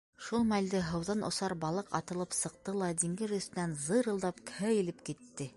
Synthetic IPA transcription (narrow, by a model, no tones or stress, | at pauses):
ʃulˠmæld̪ɘɦɤ̆wðɑnʔŏ̰sɑɾbɑlˠɤqɑ̰t̪ɤ̆lˠɤpsɤ̆q̚t̪ɤlˠɑd̪iŋɡɘɾɵ̆st̪ɘ̆nænzɤɾɤ̆lˠd̪ɑpkhɘjɘ̆lɘpkit̪ːɘ